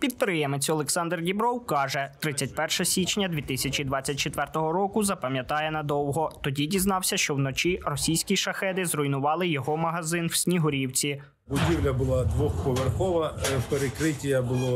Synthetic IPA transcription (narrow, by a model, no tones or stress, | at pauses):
pʲid̪̚pɾɪjɛmet͡sʲɔlˠɛksɑnd̪rdʲibɾɔwkɑʒɛt̪ɾɪt͡sʲːɐtʲpɛrʃɐsʲit͡ʃnʲɐd̪ʲʋʲit̪ɪsʲɐt͡ʃʲid̪ʋɑt͡sʲːɐt̚ʲt͡ʃet̪ʋɛrt̪ɔɦɔɾɔkʊzɐpɐmʲjɐt̪ɑjɛnɐd̪ɔwɦɔt̪ɔdʲidʲiznɑwsʲɐʃt͡ʃɔwnɔt͡ʃʲirɔsʲijsʲkʲiʃɐxɛd̪ɪzrɔjnʊʋɑlˠɪjɔɦɔmɐɦɐzɪnw̥sʲnʲiɦɔɾʲiwt͡sʲi | bʊdʲiwlʲɐbʊlˠad̪ʋɔxpɔʋerxɔʋɐpeɾekɾɪtʲijɐbʊlˠɔ